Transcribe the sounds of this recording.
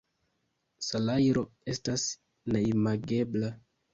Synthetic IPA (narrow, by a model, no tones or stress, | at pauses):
salajɾo̞e̞stas | neimaɡe̞bla